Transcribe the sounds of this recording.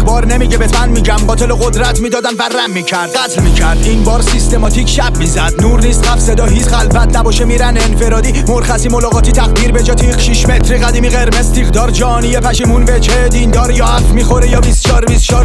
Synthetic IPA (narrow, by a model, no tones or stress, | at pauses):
bɒːɾnemiɟebet̪ʰmænmiːɟæmbɒːt̪ʰeloɣod̪ɾæt̪ʰmiːd̪ɒːd̪ænværæmːiːcʰæɾd̪̥̚ɢæt̪ʰlmiːcʰæɾd̪inbɒːɾsist̪emɒːt̪ʰiːcʰʃæbmizæd̪̚nuːɾniːst̪ʁæfse̞d̪ɒːɦiːt͡ʃɣælvæt̪ʰnæbɒːʃemiɾænenfe̞ɾɒːd̪iːmoɾxæsiːmo̞lɒːɣɒːt̪ʰit̪ʰæɣd̪iːɾbed͡ʒɒːt̪ʰiːχʃiʃmet̪ʰɾiɣæd̪iːmiːɣeɾmezt̪ʰiːχd̪ɒːɾd͡ʒɒnijepʰæʃiːmunbet͡ʃʰed̪ind̪ɒːɾjɒːhæffmiːxoɾejɒːbist̪t͡ʃʰɒːɾbist̪t͡ʃʰɒːɾ